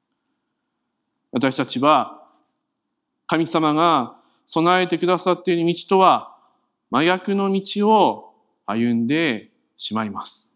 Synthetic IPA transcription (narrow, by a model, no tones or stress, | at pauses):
βat̪aɕi̥t̪at͡ɕiβa | kamʲisamaɡa | so̞nae̞t̪e̞kɯ̟d̪asat̪ːe̞ɾɯ̟mʲit͡ɕi̥t̪o̞βa | majakɯ̟no̞mʲit͡ɕio̞ | ajɯ̟̃nd̪e̞ | ɕimaimasɨ̥